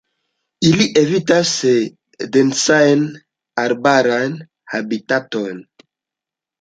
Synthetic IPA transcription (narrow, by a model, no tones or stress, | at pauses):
iliʔevitas | densajn | aɾbaɾan | habitaton